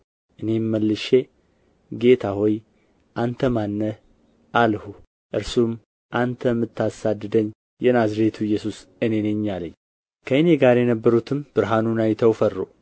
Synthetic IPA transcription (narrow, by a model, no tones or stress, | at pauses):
ʔɨne̞mːəlːɨʃe | ɡe̞t̪ʰahoj | ʔant̪ʰəmanːə | ʔalhu | ʔɨɾsum | ʔant̪ʰəmːɨt̪ʰːasad̪ːɨd̪əɲː | jɛnazɾe̞t̪ʰujːɛsusɨne̞neɲːaləɲː | kʰəɨne̞ɡaɾjɛnəbːəɾut̪ʰɨmb̥ɨɾɦanunajt̪ʰəwfərːo